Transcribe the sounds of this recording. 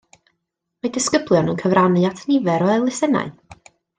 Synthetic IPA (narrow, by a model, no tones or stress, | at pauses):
madɪskəblˠjɔnənkʰəvranɨatʰnɪvɛɾɔɛlˠɪsɛna̰ɨ